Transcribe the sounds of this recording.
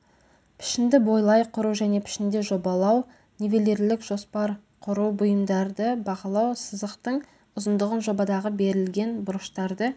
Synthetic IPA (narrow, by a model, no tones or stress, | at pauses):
pʰɪ̥ʃɪnd̪ɪbo̞jlˠɑjqʰʊɾuwʒæne̞pʰɪ̥ʃɪnd̪eʒo̞bɑlˠɑw | nevele̞ɾlɪkʒ̥o̞spɑɾ | qʰʊɾuwbʊjəmd̪ɑɾd̪əbɑqɑlˠɑwsəzəqt̪əɴ | ʊzənd̪əʁənʒo̞bɑd̪ɑʁəbe̞ɾɪlɡʲe̞nbʊɾəʃt̪ɑɾd̪ə